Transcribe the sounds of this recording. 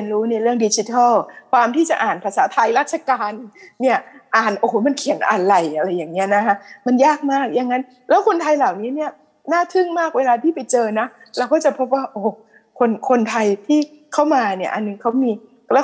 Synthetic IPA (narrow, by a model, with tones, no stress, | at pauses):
nɾuː˦˥na˧jɾɯ˥˩əŋdi˨˦˥t͡ɕi˧˦t̪ʰa˥˩lkʰwaː˧mt̪ʰiː˥˩t͡ɕa˨˩ʔaː˨˩npʰa˧saː˩˦t̪ʰa˧jɾaː˥˩t̪̚t͡ɕʰa˧kaː˧nːi˥˩ɐʔaː˨˩nʔoː˨˩˦ma˧nkʰi˨˩˦nʔa̰ː˨˩nla˨˩jʔa˧ɾa˧jːaː˨˩ŋni˦˥ɐna˦˥kʰa˦˥ʔma˧njaː˥˩k̚maː˥˩k̚ja˧ŋːa˦˥n | lɛː˦˥wkʰo˧nt̪ʰa˧jlaː˨˩wniː˦˥ni˥˩ɐ | naː˥˩t̪ʰɯ˥˩ŋmaː˥˩k̚weː˧laː˧t̪ʰiː˥˩pa˧jt͡ɕɤː˧na˦˥ | ɾɛ˧˥wkɔː˥˩t͡ɕa˨˩pʰo˦˥p̚waː˥˩ʔoː˧˩ | kʰo˧nkʰo˧nt̪ʰa˧jt̪ʰiː˥˩ | kʰa˥˩wmaː˧ni˥˩ɐʔa˧nːɯ˧ŋkʰa˦˥wmiː˧ | lɛː˦˥